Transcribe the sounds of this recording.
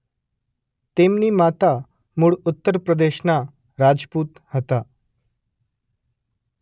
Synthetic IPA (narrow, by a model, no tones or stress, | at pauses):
t̪emniːmat̪a | muːɭut̪ːəɾpɾəd̪eɕna | ɾad͡zpuːt̪hət̪a